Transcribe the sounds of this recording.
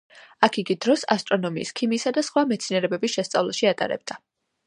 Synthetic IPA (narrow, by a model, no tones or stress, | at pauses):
akʰiɡid̪ɾɔsast̪ʼɾɔnɔmiːskʰimisad̪asχwamɛt̪sʰinɛɾɛbɛbisʃɛst̪sʼavlˠaʃiat̪ʼa̰ɾɛ̰b̚d̪a